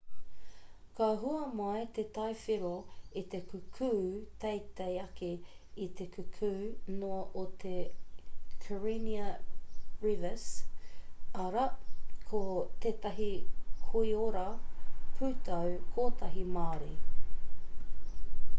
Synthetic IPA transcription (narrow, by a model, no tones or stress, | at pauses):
kɐɦuɐmaet̪et̪ɐefiɾoit̪ekʰukʰʉːt̪ejt̪ejɐke | it̪ekʰʉkʰʉːnoʔot̪ʰe | kʰəɹiniɐ | ɹivəs | ɐɾɐkʰot̪eːt̪ɐɦihoioɾɐpʰʉːt̪ɐwkʰoːt̪ɐɦimaːɾi